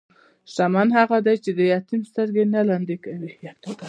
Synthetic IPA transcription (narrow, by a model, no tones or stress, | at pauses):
ʃamanɦaɣad̪ajt͡ʃed̪əjɑt̪imst̪əɾɡenalɑnd̪ekawi